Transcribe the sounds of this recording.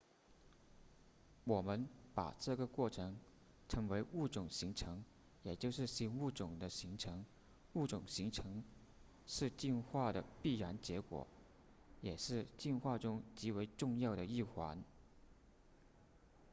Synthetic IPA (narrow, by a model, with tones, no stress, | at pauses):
wɔ˨˩mə˦˥npa̰˨˩ʈ͡ʂɤ˥˩ɡə˩kwɔ˥˩ʈ͡ʂʰɤ˧˥ŋ | ʈ͡ʂʰɤ˧˥ŋwe˧˥ɪu˥˩ʈ͡ʂʊ˨˩ŋɕi˧˥ŋʈ͡ʂʰɤ˧˥ŋ | jɛ˨˩t͡ɕjo˥˧ʊʂɻ̩˥˩ɕi˧˥nu˥˩ʈ͡ʂʊ˨˩ŋd̪ə˦ɕi˧˥ŋʈ͡ʂʰɤ˧˥ŋ | u˥˩ʈ͡ʂʊ˨˩ŋɕi˧˥ŋʈ͡ʂʰɤ˧˥ŋ | ʂɻ̩˥˧t͡ɕi˥˧nxwa˥˩d̪ə̰˩pi˥˩ɻa˧˥nt͡ɕjɛ˧˥kwɔ̰˨˩˦ | jɛ˨˩ʂɻ̩˥˧t͡ɕi˥˧nxwa˥˧ʈ͡ʂʊ˥ŋt͡ɕi˧˥we˧˥ɪʈ͡ʂʊ˥˧ŋjɑ˥˩ʊɾə˩i˥˩xwa˧˥n